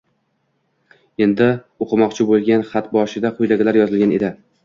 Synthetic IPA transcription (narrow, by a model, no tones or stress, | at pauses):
e̞nd̪ɪ | oqʰɨmɒqt͡ʃʰɪbolˠɡʲanχat̪bɒʃɪd̪aqʰʊjd̪aɡʲɪlaɾjɒzɪlɡʲane̞d̪ɪ